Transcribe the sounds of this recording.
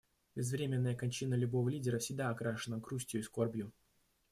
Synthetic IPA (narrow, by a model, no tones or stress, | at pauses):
bʲɪzvɾʲemʲɪnːəjəkɐnʲt͡ɕinəlʲʊbo̞vəlʲidʲɪɾəfsʲɪɡ̚d̪aːkɾaʂɨnəɡɾusʲtʲjʊiskorbʲjʊ